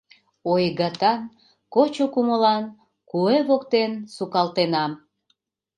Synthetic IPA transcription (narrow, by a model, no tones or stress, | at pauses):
ojɣɑt̪ɑn | kot͡ɕokuməlɑn | kueβokt̪ensukɑlt̪enɑm